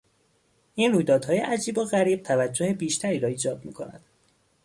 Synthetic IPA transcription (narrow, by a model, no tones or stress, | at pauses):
ʔiːnruːjd̪ɒːd̪̥hɒːjeʔæd͡ʒiːboɣæɾiːb̥̚t̪ʰævæd͡ʒːohebiːʃt̪ʰæɾiːɾɒːiːd͡ʒɒːd̪̚mḭːkʰo̞næ̰d̪̥